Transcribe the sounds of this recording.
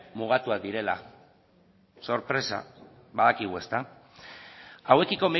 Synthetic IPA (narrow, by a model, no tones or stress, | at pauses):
muɣ̞at̪uak̚d̪iɾe̞la̰ | so̞ɾpɾe̞sa̰ | βaðakiɣ̞ue̞st̪a | awe̞kiko̞me